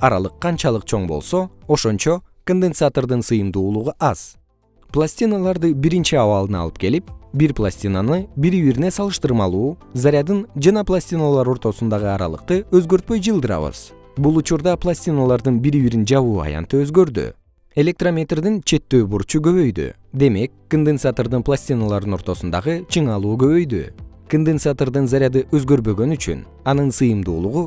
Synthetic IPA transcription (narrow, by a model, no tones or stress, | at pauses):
ɑɾɑ̰lˠɯqʰːɑnt͡ʃɑlˠɯqt͡ʃʰo̞ɴbo̞̰lˠso̞o̞ʃo̞nt͡ʃo̞ | ko̞nd̪ensat̪o̞rd̪ɯnsɯjɯmd̪uːlˠuʁuʔɑz̥ | plˠasʲt̪ʲinalˠɑɾd̪ɯbiɾint͡ʃiɑβɑlˠɯnɑ̰lˠɯ̥p̚ke̞lipbiɾplˠasʲt̪ʲinanɯbiɾiβiɾnesɑlˠɯʃt̪ɯɾmɑlˠuːzaɾʲjad̪ɯnd͡ʒɑnɑplˠasʲt̪ʲinalˠɑɾo̞ɾt̪o̞sund̪ɑʁɯɑɾɑ̰lˠɯ̰q̚t̪ɯøzɡø̞ɾt̪̚pø̞jd͡ʒɯlˠd̪ɯɾɑ̰βɯ̰z̥ | bulˠut͡ʃuɾd̪ɑplˠasʲt̪ʲinalˠɑɾd̪ɯnbiɾiβiɾind͡ʒɑβuːɑ̰jɑ̰nt̪ɯø̞zɡø̞ɾd̪y̰ | e̞lʲe̞k̚t̪romʲe̞t̪rd̪int͡ʃʰe̞t̪ːø̞ːbuɾt͡ʃuɡø̞βø̞jd̪y̰ | d̪e̞me̞kːond̪ensat̪ord̪ɯnplˠasʲt̪ʲinalˠɑɾd̪ɯno̞ɾt̪o̞sund̪ɑʁɯt͡ʃʰɯɴɑlˠuːɡø̞βø̞jd̪y̰ | kond̪entsat̪oɾd̪ɯnzaɾʲjad̪ɯʔø̞zɡø̞ɾbø̞ɡø̞nyt͡ʃy̰n | ɑnɯnsɯjɯmd̪ṵːlˠuʁu